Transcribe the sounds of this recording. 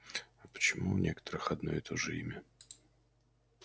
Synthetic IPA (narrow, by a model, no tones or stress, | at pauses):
ɐpə̥t͡ɕɪmunʲekə̥t̪əɾɨxɐd̪no̞ɪt̪ʰo̞ʐɨimʲə